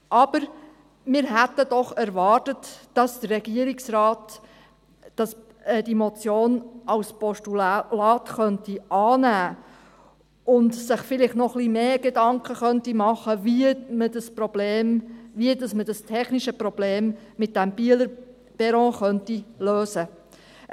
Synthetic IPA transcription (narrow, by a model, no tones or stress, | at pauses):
ʔɑb̥əɾ | mɪːɾɦæt̪ːəd̥ɔχæɾvɑːrtətːɑsd̥əɾrɛɡ̥iəɾɪksɾɑːt | d̥ɑs | ɛd̥imɔt͡sjoːnɑlspɔʃtulɑːtχœntiɑːnæː | ʊndsɪχfɪlɪχtnɔχlimeːɡ̥edɑŋkʰəχœntimɑχəvimədəspɾɔb̥leːmviədɑsməd̥ɑstʰɛχniʃəpɾɔb̥leːmːɪt̚d̥æmb̥iələɾ | b̥ɛɾɔ̃ːχœntiløːsə